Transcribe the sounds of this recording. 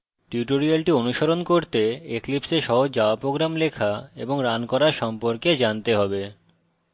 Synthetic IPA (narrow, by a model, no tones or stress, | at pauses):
ʈjuʈoɾialʈionuʃoɾonkoɾt̪eeklipseɾʃɔɦod͡ʑaapɾoɡɾamlekʰaeboŋɾankɔɾaɾʃɔmpoɾked͡ʑant̪eɦɔbe